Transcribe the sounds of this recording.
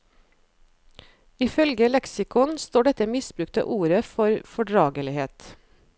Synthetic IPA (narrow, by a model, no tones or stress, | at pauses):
ɪfœlɡəlɛksɪkʰʊnst̪oːɖɛt̪əmɪsbɾʉːk̚t̪ʰə̰ʔuːɾəfɔɾfɔɖɹɑːɡəlɪheːt̪